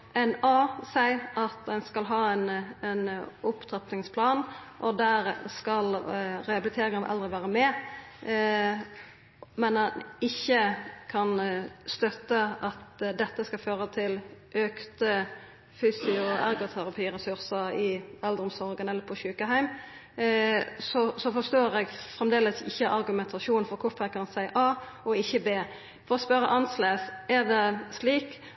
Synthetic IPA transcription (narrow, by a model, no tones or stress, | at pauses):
ɛnɑːsæɪɑt̪ɛnskɑlɦɑːɛnɛnʊpt̪ʰʁɑt̪nɪŋspʰlɑːnʔɔd̪æɾskɑlʁɛɑbɪlɪt̪ʰeːɾɪŋənɑʋʔɛ̰ld̪ɾəʋæːɾəmɛː | mɛnɛnɪçːəkʰɑnst̪œt̪ːəʔɑt̪d̪ɛt̪ːəskɑføːɾət̪ʰɪlʔøːkt̪ə | fyːsɪʊæ̰ɾɡɔt̪ʰæɾɑpʰiːɾɛsʉɾsəɪɑld̪ʊmsɔɾɡənɛlːəɾpʰɔɕʉːkəɦæɪm | sɔsɔfɔst̪oːɾɛɡfɾɛmd̪eːləsɪ̰çːəʔɑɾɡʉmɛnt̪ʰɑʃuːnfɔɾkʰʊfækʰɑnsæɪʔɑː | ɔɪçːəbeː | fɔɾɔspœɾəʔɑnsleːsæɾd̪ɛsliːk